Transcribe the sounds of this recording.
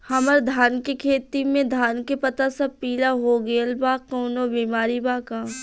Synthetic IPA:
hɐməɾd̪ʱaːnkikʰeːt̪imẽd̪ʱaːnkepɐt̪asɐb̚piːlaɦoːɡeːlbaːkoːnobiːmaːɾibaːkaː

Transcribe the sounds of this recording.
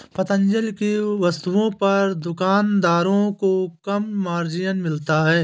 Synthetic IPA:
pɐt̪ə̃ɲd͡ʒəlkeʋɐst̪uõpɐɾd̪ʊkaːnd̪aːɾõkokɐmːaːɾd͡ʒijənmɪlt̪aɦɛː

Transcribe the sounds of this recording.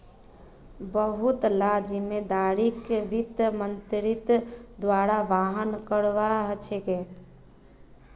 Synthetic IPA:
bəɦut̪lad͡ʒimed̪aɾikeʋit̪mənt̪ɾit̪d̪waɾaʋaɦənkəɽʋaɦət͡ʃʰɛke

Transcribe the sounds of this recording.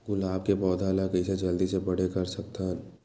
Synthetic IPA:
ɡʊlaːb̚kepɔːd̪ʱaːlakəsed͡ʒɐld̪isepɐɽ̤ekɐɾsɐk̚t̪a

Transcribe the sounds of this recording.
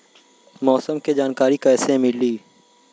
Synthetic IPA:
mɔːsəmked͡ʒaːnkaːɾikaɛsẽmɪliː

